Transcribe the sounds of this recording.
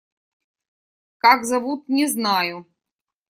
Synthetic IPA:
kakzɐvut̪̚nʲɪznajʊ

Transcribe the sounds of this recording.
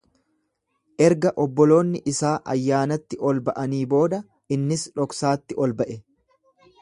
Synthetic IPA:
ʔɛɾɡɐʔɔbːɔlo̞ːnːɪʔɪsaːʔɐ̰jːaːnɐt̪ːɪʔɔlbɐʔɐniːbo̞ːd̪ɐ | ɪnːɪsᶑɔksaːt̪ːɪʔɔlbɐʔɛ

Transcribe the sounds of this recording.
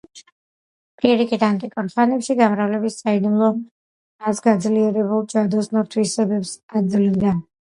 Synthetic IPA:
pʼiɾikʼid̪ant̪ʼikʼɔɾχanɛpʃiɡamɾavlɛbissaid̪umlˠɔ | asɡad̪zliɛɾɛbulˠd͡ʒad̪ɔsnɔɾt̪ʰwisɛbɛpsad̪zlilˠd̪a

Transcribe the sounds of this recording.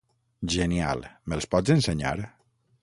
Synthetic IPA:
ʒenia̰lmelˠspɔd͡zenseɲa̰ɾ

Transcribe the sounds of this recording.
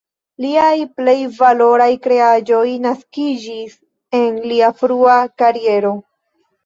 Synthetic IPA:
liajple̞jvalo̞ɾajkɾe̞ad͡ʒo̞jnaskid͡ʒis | e̞nliafɾuakaɾije̞ɾo̞

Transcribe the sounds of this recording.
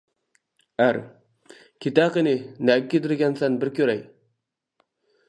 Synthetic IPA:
æɾ | kʲʰit̪æqɪnɪnækʲːet̪ɪɾɡʲɛnsænbɪɾkʲøɾɛj

